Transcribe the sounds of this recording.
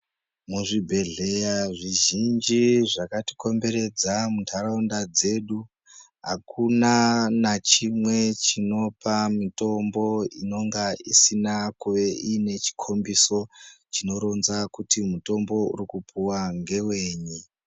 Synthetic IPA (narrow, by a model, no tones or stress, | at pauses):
muʐibʱe̞ɮe̞jaʐiʒind͡ʒiʐakati̥ko̞mbe̞ɾe̞d͡zamutʰaɾaundad͡ze̞ɗu | ɦakunanat͡ʃimwe̞t͡ʃino̞pamito̞mbo̞ino̞ŋɡaisinakuʋe̞ʔine̞t͡ʃi̥kʰo̞mbiso̞t͡ʃino̞ɾo̞nzakutimuto̞mbo̞ṵɾikupʰuwaŋɡe̞we̞ːɲi